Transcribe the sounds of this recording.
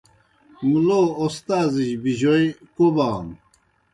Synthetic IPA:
muloːost̪aːziʑbiʑojkobaːn

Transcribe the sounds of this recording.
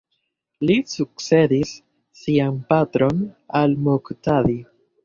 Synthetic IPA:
lisuk̚se̞disː | ianpatɾo̞nalmoktadi

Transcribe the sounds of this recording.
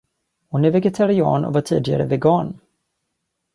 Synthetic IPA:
hʊnɛvɛɡɛt̪ʰaɾɪɑ̰ːnʔɔ̰vaʈʰiːd̪ɪɡa̰ɾəvɛɡɑːn

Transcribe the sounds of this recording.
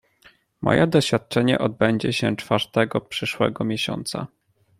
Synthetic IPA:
mɔ̰jɛd̪ɔɕfʲjat̪̚t͡ʂɛɲɛ̰ʔɔd̪̚bɛɲd͡ʑɛɕɛt͡ʂfaɾt̪ɛɡɔpʂɘʂwɛ̰ɡɔmʲjɛɕɔ̰nt̪sa̰

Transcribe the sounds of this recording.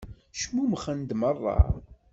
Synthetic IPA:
ʃmumχənd̪mərˤːɑ̰

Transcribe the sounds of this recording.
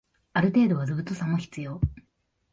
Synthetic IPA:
aɾɯ̟t̪e̞ːd̪o̞βazɨbɯ̟t̪ːosãmːo̞çi̥t͡sɨjo̞ː

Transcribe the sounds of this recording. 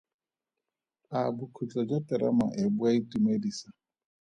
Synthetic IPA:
abukʰut͡ɬad͡ʒatɛɾa̰ma̰ʔebwaitimedisa

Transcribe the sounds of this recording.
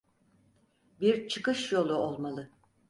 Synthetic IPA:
biɾt͡ʃʰɯkɯʃjo̞lˠuolˠmalˠɯ

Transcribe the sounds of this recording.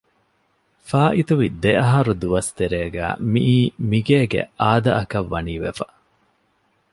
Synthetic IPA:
faːʔit̪uʋid̪eʔɐɦɐɾud̪uʋɐst̪eɾeːɡæ̰ːmiʔiːmiɡeːɡḛʔaːd̪ɐʔɐkɐʋːɐniːʋḛfɐ

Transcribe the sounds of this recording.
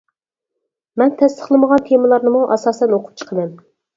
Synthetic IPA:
mɛnt̪ʰɛst̪ʰə̥χlˠɨməʁɑnt̪ʰemɨlˠɑɾnɨmuʔɑsɑːsɛnoqʰu̥t͡ʃʰə̥qʰəmɛm

